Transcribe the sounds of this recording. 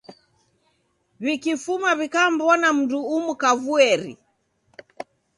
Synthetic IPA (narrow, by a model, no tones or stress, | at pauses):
βikifumaβikam̩bɔnam̩duumukavuɛɾḭ